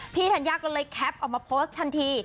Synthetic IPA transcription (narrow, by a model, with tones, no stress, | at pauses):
pʰiː˥˩t̪ʰaː˧˩njaː˧˩kɔː˥˩lɤː˧jkʰɛ˦˥p̚ʔɔː˨˩k̚maː˧pʰoː˦˥st̪ʰːa˧nt̪ʰiː˧